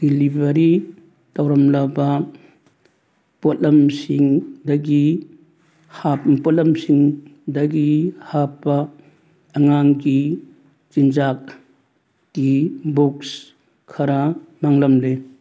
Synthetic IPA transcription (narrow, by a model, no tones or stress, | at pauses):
d̥ilibɐɾi | tɐwɾɐmlɐbɐ | potlɐmsiŋdɐɡi | happɔt̚lɐmsiŋdɐɡihapːɐː | ŋaŋɡi | t͡ʃind͡ʒakː | ibuks | kʰɐɾɐmaŋlɐmle